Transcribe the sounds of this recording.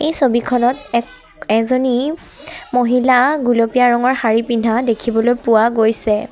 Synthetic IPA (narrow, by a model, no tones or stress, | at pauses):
ejsobikʰɔnɔtɛ | ɛzoni | moɦilaɡulopijaɹɔŋɔɹxaɹipindʱadekʰibɔlojpʊwaɡojsɛ